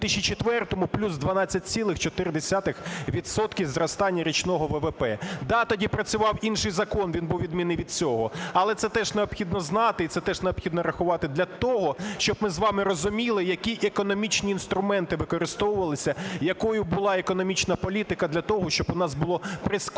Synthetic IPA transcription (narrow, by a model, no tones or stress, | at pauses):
t̪ɪʃʲit͡ʃet̪ʋɛrt̪ɔmʊplʲuzd̪ʋɐnɑt͡sʲːɐt̚ʲt͡sʲsʲilˠɪxt͡ʃɔt̪ɪɾd̪esʲat̪ɪxʋʲid̪sɔt̪kʲiwzrɔst̪ɑnʲːɐɾʲit͡ʃnɔɦɔʋɛʋɛpɛd̪ɑt̪ɔdʲipɾɐt͡sʲʊʋɑwinʃɪjzɐkɔnʋʲinbuwʋʲid̪mʲinɪʋʲid̪t͡sʲɔɦɔɐlˠɛt̪sɛt̪ɛʒneɔbxʲid̪nɔznɑt̪ɪit̪sɛt̪ɛʒneɔbxʲid̪nɔɾɐxʊʋɑt̪ɪd̪lʲɐt̪ɔɦɔʃt͡ʃɔb̚mɪzʋɑmɪrɔzʊmʲilˠɪjɐkʲiʔekɔnɔmʲit͡ʃnʲiːnst̪ɾʊmɛnt̪ɪʋɪkɔɾɪst̪ɔwʊʋɐlˠɪsʲɐjɐkɔjʊbʊlˠɑekɔnɔmʲit͡ʃnɐpɔlʲit̪ɪkɐd̪lʲɐt̪ɔɦɔʃt͡ʃɔbʊnɑsbʊlˠɔpɾɪsk